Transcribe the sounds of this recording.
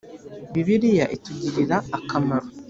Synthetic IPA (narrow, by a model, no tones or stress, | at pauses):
βiβiɾijaʔituɟiɾiɾaːkʰamaɾo